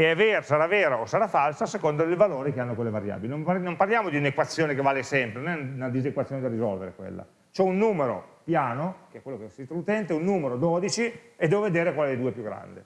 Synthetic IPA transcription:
eɛveːɾosaɾaveːɾoosaɾafalsasekond̪oelvaloːɾekeanːokolːevaɾja̰ːbilenompanomparljaːmod̪iunekwat̪sːjoːnekevaːlesɛmpɾenonɛnunad̪izekwat̪sːjoːned̪arizɔlveɾekwḛlːa̰ | t͡ʃoɛunːuːmeɾo̰pjaːnokeɛkwelːokesit̪ɾout̪ɛnt̪eunːuːmeɾod̪ɔːd̪it͡ʃied̪ɛːvoved̪eːɾekwaled̪ed̪uːepjuɡɾa̰nd̪e

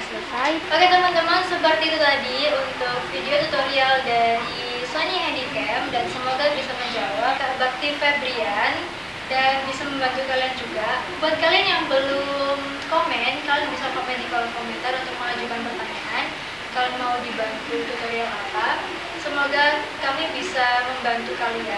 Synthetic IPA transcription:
sspaɡat̪əmant̪əmənsəbərt̪it̪ut̪adiunt̪ʊk̚fideot̪ut̪oɾialdaɾi | saniɦɛndikɛmdansəmoɡabisaməɲd͡ʒawaabak̚t̪ifebɾian | danbisaməmbant̪ukaliand͡ʒuɡabuɦat̪̚kalianjaŋbəlʊm | komɛnkalojabisakomɛndikolɔŋkomɛnt̪aɾunt̪ʊk̚məlad͡ʒukanpərt̪aɲaŋan | kalomaudibant̪ut̪ut̪oɾialapa | səmoɡakamibisaməmbant̪ukalia

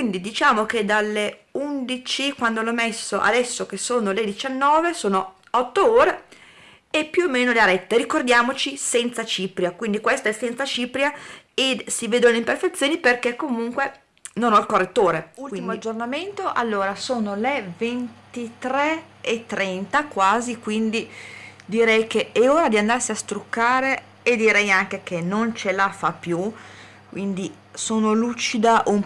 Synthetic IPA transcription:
ind̪id̪it͡ʃaːmok̟ed̪alːeund̪it͡ʃikwand̪olɔmesːoʔa̰d̪ɛsːok̟esoːnoled̪it͡ʃanːɔːvesoːno | ɔt̪ːooːɾe | epːjuoːmːeːnoleaɾɛt̪ːeɾikord̪jaːmot͡ʃisɛnt̪sat͡ʃiːpɾjakwind̪ikwest̪aɛsːɛnt̪sat͡ʃiːpɾjaesiveːd̪oleimperfet̪sːjoːniperkekːomuŋkwe | nonɔilkorːet̪ːoːɾeulimoad͡ʒːornament̪oʔalːoːɾasoːnolevent̪it̪ɾɛ | et̪ːɾɛnt̪akwaːzikwind̪id̪iɾɛjkeeoːɾad̪iand̪arsiast̪ɾukːaːɾeː | d̪iɾɛjaŋk̟ek̟ʰenont͡ʃelafapːju | kwind̪i | soːnoluːt͡ʃid̪aʔom

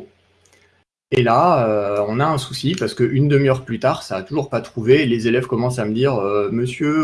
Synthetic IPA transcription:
elaøɔ̃naɛ̃susipaʁsə̥kəʔynd̪əmjœʁplyt̪aʁsaːt̪uʒuʁpat̪χuvelezelɛvkɔmɑ̃saməd̪iʁøməsjø

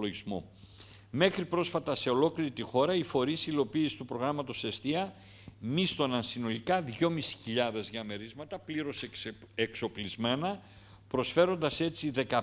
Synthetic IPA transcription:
loʝizmo̞̰ | me̞xɾipɾo̞sfɐt̪ɐse̞o̞lo̞kliɾit̪ixo̞ɾɐifo̞ɾisilo̞piːsi̥t̪upɾo̞ɣɾɐmɐt̪o̞sest̪iɐ | mist̪onɐnsino̞likɐðʝo̞misi̥çiʎɐðe̞zʝɐme̞ɾizmɐt̪ɐpliɾo̞s | ekso̞plizme̞nɐ | pɾo̞sfe̞ɾo̞nd̪ɐse̞t͡siðe̞kɐ

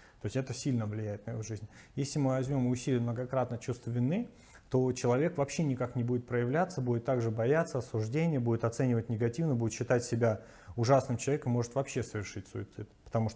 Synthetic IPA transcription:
t̪o̞ɪsʲɛt̪əsʲilʲnəvlʲɪjæjɪt̪nəɪ̰voʐɨzʲnʲ | jesʲlʲɪmɨvɐzʲmʲo̞mʊsʲilʲɪəmnəɡɐkɾat̪nət͡ɕust̪vəvʲɪnːɨ | t̪o̞t͡ɕɪlˠɐvʲe̞kvɐpɕːenʲɪkaknʲɪbudʲɪt̪pɾəjɪvlʲat̪səbudʲɪt̪ːaɡʐɨbɐjat̪sːəɐsʊʐdʲenʲɪjəbudʲɪt̪ɐt̪sɛnʲɪvət̚ʲnʲɪɡɐtʲivnəbudʲɪt̪ɕːɪt̪atʲsʲɪbʲa | ʊʐasnɨmt͡ɕɪlˠɐvʲekəmmo̞ʐɨt̪vɐpɕːe̞səvʲɪrʂɨt̚ʲsʊ̰ɪt̪sɨt̪pə̥t̪ɐmuʂt̪

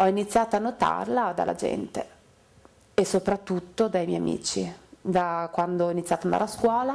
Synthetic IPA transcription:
ɔinit̪sːjaːt̪oanːot̪a̰rlad̪a̰lːa̰d͡ʒɛ̰nt̪e | esopɾat̪ːut̪ːod̪ajmɛja̰mḭːt͡ʃid̪akwand̪oɔinit̪ːjat̪oand̪a̰ɾeaskwɔːla

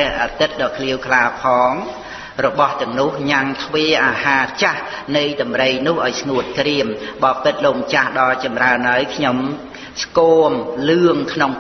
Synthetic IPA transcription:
ɛ̆əhʔaːt̪ɨt̪̚ɗɑːkʰliəwkʰlaːpʰɑːŋ | rɔɓɑht̪ɛ̆əŋnʊ̆əhɲaŋt̪ʰʋeːʔaːhaːt͡ɕahnɨjɗɑmrəjnʊ̆əhʔaɔjsŋuət̪̚kriəmɓɑːpɨt̪̚loːŋt͡ɕahɗɑlt͡ɕɑmraənʔaəjkʰɲom | skoːmlɨəŋkʰnoŋ

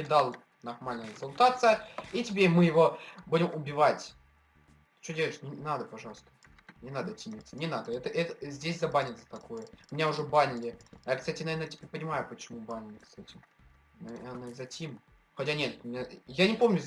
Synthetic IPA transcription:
ɪd̪alˠ | nɐrmalʲnəjəsɐlˠt̪at̪sɨjəitʲɪbʲemɨjɪvo̞budʲɪmʊbʲɪvatʲ | t͡ɕodʲeləɪʂnʲɪnad̪əpɐʐɑlˠəst̪ə̥ | nʲɪnad̪ətʲimʲɪt̪sənʲɪnad̪əɛt̪əʔɛt̪əzʲdʲesʲzɐbanʲɪt̪sə̥t̪ɐko̞jəmʲɪnʲaʊʐɛbanʲɪlʲɪajakst̪atʲɪnɐvernətʲɪ̥pʲeɾʲpənʲɪmajʊpət͡ɕɪmubanʲɪlʲɪkst̪atʲɪ | nɐernəzɐtʲim | xɐtʲanʲet̪mʲɪjanʲɪpo̞mnʲʊ

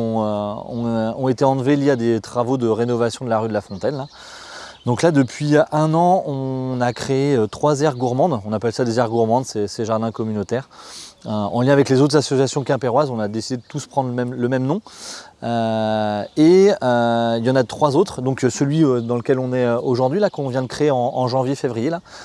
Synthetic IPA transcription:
øɔ̰̃ɔ̃et̪eɑ̃lveljiad̪et̪χavod̪əʁenɔvasjɔ̃d̪əlaʁyd̪əlafɔ̃t̪ɛnla | d̪ɔ̃klad̪əpɥiøʔɛ̃nɑ̃ɔ̃nakχeeøt̪χwazɛʁɡuʁmɑ̃d̪ɔ̃napɛlsad̪ezɛʁɡuʁmɑ̃d̪seseʒaʁd̪ɛ̃kɔmynot̪ɛʁøɑ̰̃ljɛ̃avɛklezot̪χzasɔsjasjɔ̃kʲɛ̃peʁwazɔ̃nad̪esid̪ed̪ət̪uspχɑ̃d̪ʁləmɛmləmɛmnɔ̃ø | eøiljɑ̃nat̪χwazot̪χd̪ɔ̃ksəlɥiød̪ɑ̃ləkʲɛlɔ̃nɛøoʒuʁd̪ɥilakɔ̃vjɛ̃d̪əkχeːɑ̃ɑ̃ʒɑ̃vjefevʁijela

